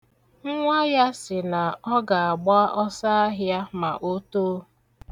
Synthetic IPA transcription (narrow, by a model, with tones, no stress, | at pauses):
ŋ̩˦ŋʷa˦ja˦sɪ˨na˨ɔ˦ɡa˨a˨ɡ͡ba˦a˦ʔɔ˦sa˦a˦ɦja˦ma˨ʔo˦toː˦